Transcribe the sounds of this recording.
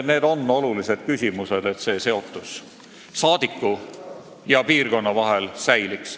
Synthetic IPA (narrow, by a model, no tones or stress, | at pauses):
ne̞ːd̪o̞nːo̞lulise̞d̪̥̚kysʲimuse̞d̪̥e̞t̪se̞ːse̞o̞t̪ˑːus | sɑːd̪̥ikːˑu | jɑpiːrko̞nːɑvɑɦe̞lsæjliks